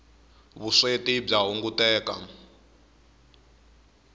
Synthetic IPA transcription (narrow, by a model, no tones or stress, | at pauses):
βuʂetib͡ʐaɦuŋɡutɛːka̰